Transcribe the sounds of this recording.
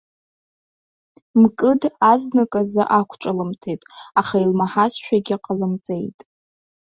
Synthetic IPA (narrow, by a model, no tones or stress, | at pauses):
mkʼɨdaznɨkʼazɨʔakʷʰʈ͡ʂʼɨlɨmtʰejtʼaχailmaħasʃᶣaɡʲɪqʼalɨmt͡sʼe̞jtʼ